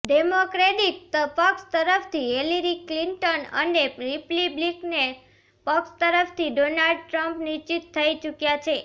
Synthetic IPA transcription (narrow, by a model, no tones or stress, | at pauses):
ɖemokɾeʈik̚t̪əpəkst̪əɾəft̪ʰiɦeliɾikliɳʈənə̰neɾipliblikne | pəkst̪əɾəft̪ʰiɖonalɖ̚ʈɾəmpnit͡ʃit̪ʰːəit͡ʃukjat͡ʃʰe